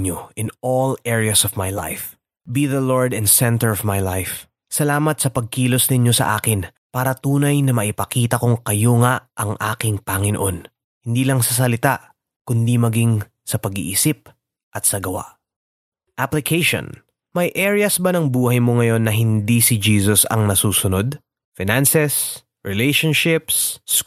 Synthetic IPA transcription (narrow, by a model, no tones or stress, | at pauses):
ɲoʔɪnolɛɹijɐsɔvmajla̰jf | biðɐloɹd̪ɛnsɛnt̪ɛɹɔvmajlajf | sɐlaːmɐt̪̚sɐpɐɡ̚kiːlo̞snɪɲo̞sɐ̰ʔa̰ːkɪn | paːɾɐt̪uːnɐjnɐmɐʔɪpɐkiːt̪ɐkoŋkɐjo̞ŋaʔʔɐŋʔaːkɪŋpaŋɪnoʔo̞n | hɪnd̪iːlɐŋsɐs̬ɐlɪt̪aʔ | kʊnd̪imɐɡiŋ | sɐpɐɡḭʔisip̚ | ʔɐt̪̚sɐɡɐwa̰ʔ | ʔaplɪkʰejʃo̰n | mɐjʔɛːɹɪjɐsbɐnɐŋbuːhɐjmo̞ŋɐjo̞nːɐɦɪnd̪isɪd͡ʒiːsosɐ̰ŋnɐsuːsʊno̞d̪ | fɪnansɛs | ɹɪlejʃonʃɪps